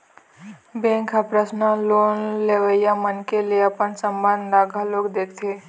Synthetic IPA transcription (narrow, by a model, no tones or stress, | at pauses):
bẽːŋkɦəpɾəsnəloːnleːʋəjamənkelieəpənsəmbənd̪ɾaːɡʱaloːɡd̪eːkʰt̪ʰeː